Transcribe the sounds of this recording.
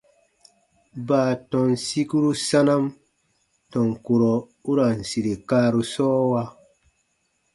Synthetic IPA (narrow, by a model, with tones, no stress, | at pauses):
baː˨tɔ̃˨nsi˦ku˦ɾu˦sa˦na˦m | tɔ̃˨ŋko˨ɾɔ˨ | u˦ɾa˨n˨si˨ɾe˨kaː˦ɾu˨sɔː˦wa˧˦